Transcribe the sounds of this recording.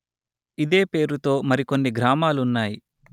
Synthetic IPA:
id̪e̞ːpe̞ːɾut̪o̞ːmɐɾiko̞nːiɡɾaːmaːlunːaːji

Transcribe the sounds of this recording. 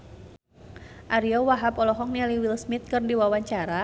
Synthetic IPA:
ʔaɾiɔwaɦapɔlɔɦɔŋ̚naliwilsmɪt̪̚kɨrndiwawaɲt͡ʃaɾa

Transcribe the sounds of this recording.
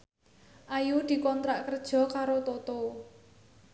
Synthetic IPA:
ʔajud̪̥i̤kɔnt̪ɾaʔkərd̥ʒ̥ɔ̤kaɾot̪ot̪o

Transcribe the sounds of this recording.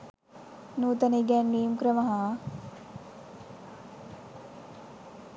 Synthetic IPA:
nuːt̪ɐneɡɛːnːiːumkɾəmɐɦaː

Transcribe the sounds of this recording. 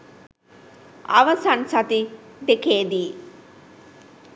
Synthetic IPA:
ɐʋɐsɐnsɐt̪id̪ekeːd̪iː

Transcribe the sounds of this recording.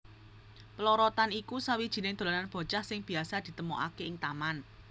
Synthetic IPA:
pəlɔɾɔt̪anikusawid̥ʒ̥i̤nɪŋd̪̥o̤lananb̥ɔ̤t͡ʃahsɪŋb̥i̤asad̪̥i̤t̪əmoʔa̰keɪŋt̪aman

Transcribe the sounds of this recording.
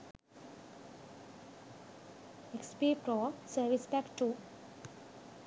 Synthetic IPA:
ekspipɾɔːsəɾʋispækʈuː

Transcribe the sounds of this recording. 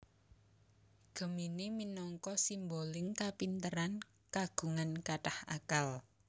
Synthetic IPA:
ɡ̥ə̤miniminɔŋkɔsimbolɪŋkapint̪əɾan | kaɡ̥ṳŋankaʈaha̰kal

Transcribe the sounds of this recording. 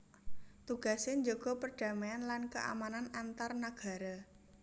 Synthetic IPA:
t̪uɡ̥a̤seɲd͡ʒoɡ̥ɔ̤pərɖ̥ä̤maanlankəʔa̰mananant̪arnaɡ̥a̤ɾa

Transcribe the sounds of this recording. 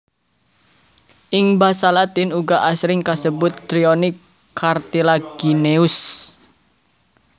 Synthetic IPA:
ʔɪŋbasalat̪ɪnuɡaʔasɾɪŋkasəbʊt̪̚d̪ɾionɪkʰː | art̪ilaɡ̥ineʊs

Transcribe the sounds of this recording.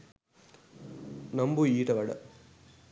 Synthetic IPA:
nɐmbuiːʈɐʋɐɽɐ̰

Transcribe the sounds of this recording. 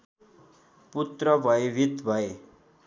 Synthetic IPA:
put̪ɾʌbʱʌeʋʱit̪bʱʌe

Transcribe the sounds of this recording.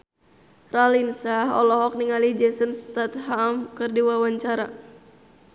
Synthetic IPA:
ralinsaɦɔ̰lɔɦɔk̚niŋalid͡ʒɛsənst̪at̪ɦamkɨrdiwawaɲt͡ʃaɾa

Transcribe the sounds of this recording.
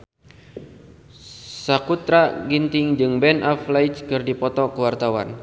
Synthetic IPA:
sakut̪ɾaɡint̪ɪŋd͡ʒɨŋbɛnʔaflajt͡ʃkɨrdipɔt̪ɔkəwart̪awa̰n

